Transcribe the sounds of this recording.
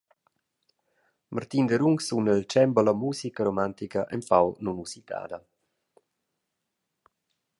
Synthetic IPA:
mʔart̪ind̪əɾuŋksunɛlt͡ʃɛmbəlamuːsikəɾomant̪ikaʔɛmpawnunusit̪a̰ːd̪ɐ

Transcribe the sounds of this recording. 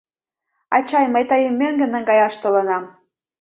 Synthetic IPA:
ɑ̰t͡ɕɑjməjt̪əjəmːøŋɡə̆nəŋɡɑjɑʃt̪olənɑm

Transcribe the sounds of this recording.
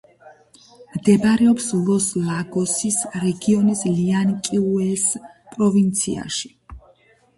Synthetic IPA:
md̪ɛbɾɛɔpslˠɔslˠaɡɔsisɾɛɡiɔnisliankʼiuɛls | pʼɾɔvint̪sʰia̰ʃi̥

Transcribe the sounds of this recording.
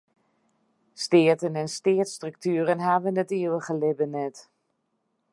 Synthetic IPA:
stɪətənɛnstɪətstryk̚tʰyːɾənɦaːʋənətiəwəɣəlɪbənɛt

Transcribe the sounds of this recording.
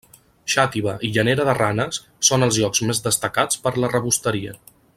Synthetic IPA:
ʃat̪iβəʔiʎəneɾəðəranəsːonəlˠzʎɔkzmezðəst̪əkat͡spəɾlərəβust̪əɾiə̰

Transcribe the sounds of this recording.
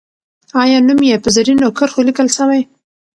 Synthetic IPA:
ɑjɑnumjepəzaɾinokəɾxolikəlʃawaj

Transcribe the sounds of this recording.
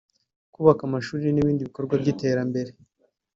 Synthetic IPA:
kuːβakamaʃuːɾiniβiːndiβiko̞ɾɡwabɟite̞ːɾambe̞ɾe̞

